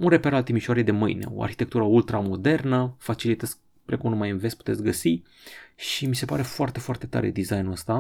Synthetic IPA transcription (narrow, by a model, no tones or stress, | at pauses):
unre̞peɾalt̪imiʃoaɾejd̪e̞mɨjne̞̰o̰a̰rçi̥t̪e̞k̚t̪uɾəult̪ɾamo̞d̪e̞rnəfat͡ʃilit̪ezk | pɾekumnumajɨnvespu̥t̪e̞t̪sʲɡəsi | ʃimise̞paɾe̞foart̪e̞foart̪e̞t̪a̰ɾe̞̰d̪izajnuəst̪a